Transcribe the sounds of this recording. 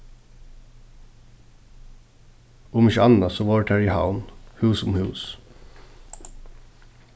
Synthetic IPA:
ʊmɪçəɑnɑsoːʋɑːʈæːɹiːhɑ̰ʊnhʉːsʊmhʉːs

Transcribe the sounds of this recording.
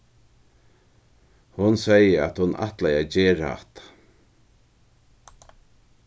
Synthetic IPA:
hʊnsɛjəa̰t̪hʊnʔa̰ht̪lajad͡ʑeːɾa̰ht̪

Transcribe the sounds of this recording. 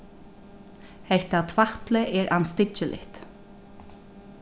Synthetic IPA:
hɛht̪at̪ʰvaht̪lɪʔɛɾʔanst̪ɪt͡ʃɪlɪ̰ht̪

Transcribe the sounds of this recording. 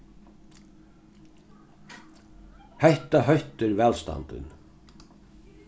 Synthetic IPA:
hɛht̪aɦœht̪ɪɾvɛːlst̪a̰nt̪ɪ̰n

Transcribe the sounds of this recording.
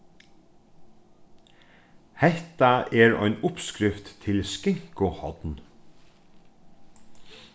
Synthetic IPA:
hɛt̪ɑʔeːɹœ̰ʏnʊpskɾɪft̪t̪ʰɪlskɪŋkʊhɔ̰d̪n

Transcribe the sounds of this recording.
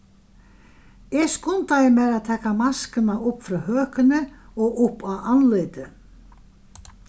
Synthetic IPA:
ɛskʊnt̪ajɪmɛðaðt̪ʰɛːkamaskɪnaʔʊpfɾawhœːkʏnɪɔɣʊhpawanlʏːt̪ɪ

